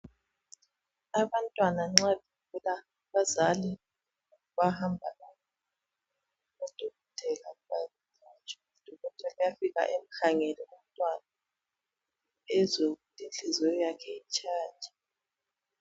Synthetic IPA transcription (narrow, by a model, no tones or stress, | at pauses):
aβantʼwanaŋ͡ǁaβʱivula | βazali | βahambʱalakɔ | ud̥ʱuɣɔtʰɛlaβaz | t͡ʃʰant͡ʃʼɛud̥ʱuɣɔtʰɛlajafiɣa̰ʔem̩haŋɛlɛum̩tʼwana | ɛzoutʼinɬizɛjɔjakʰɛit͡ʃʰʼaːd͡ʒʼʱa